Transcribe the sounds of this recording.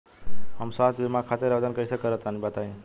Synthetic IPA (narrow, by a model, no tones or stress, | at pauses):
həmsat̪ʰemakʰat̪eɾəbd̪ənkəisəkəɾət̪anibat̪aĩ